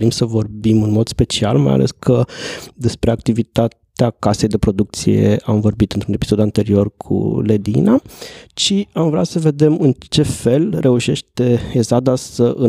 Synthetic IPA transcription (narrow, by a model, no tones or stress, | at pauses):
ɾimsəvo̞rbimɨnmo̞d̪spe̞t͡ʃia̰lma̰ja̰lʔe̞̰skʰəd̪e̞spɾe̞ak̚t̪ivit̪at̪eakase̞jd̪e̞pɾo̞d̪uk̚t̪sije̞̰amvo̞rbit̪ɨnt̪ɾune̞pisod̪uant̪e̞ɾio̞rkʰṵle̞d̪inat͡ʃiamvɾeasəve̞d̪e̞mɨnt͡ʃe̞fe̞lrʔe̞uʃe̞ʃt̪e̞ezad̪asəʔɨ